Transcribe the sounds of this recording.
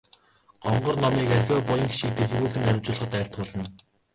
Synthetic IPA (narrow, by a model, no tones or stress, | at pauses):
ɢ̥ɔɴɢɞ̆rnɔmiːkæɮʲɔːpʊjə̆ŋxʃiːkt̪eɮɣuːɮɘ̆ŋæɾʲɪ̆wt͡ɕʊːɮ̆χə̆t̪æːɬt̪̚χʊːɮə̆n